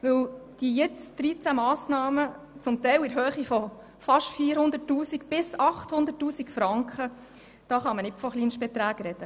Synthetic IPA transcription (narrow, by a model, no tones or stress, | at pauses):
ʋɵwd̥ijɛt͡sd̥̪ɾit͡sæmɑːsnɑːmə | t͡sʊmt̪ɛjwɪɾɦøːχifɔ | fɑʃtfiːəɾhʊnd̪ətːuːsikb̥ɪsɑχthʊnd̪ətːuːsikfɾɑŋkχə | d̥ɑːχɑmənɪpfɔχliːnʃb̥ɛt̪ɾæːɡɾɛdə